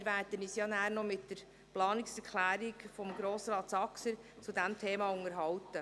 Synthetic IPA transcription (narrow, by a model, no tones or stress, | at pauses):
ɾʋæːɾdənisjɑːnæːɾnɔmɪtdəɾ | plɑːnɪksɛɾkʰlæːɾikfɔmɡɾoːsɾɑːtsɑksə | t͡sudæmtʰeːmɑʊŋəɾɦɑwt̪ə